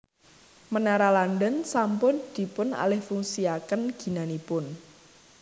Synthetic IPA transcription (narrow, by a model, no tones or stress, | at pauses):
mənaɾaland̪ənsampʊnd̪̥i̤pʊna̰lɪhfuŋsiakənɡ̥i̤nanipʊn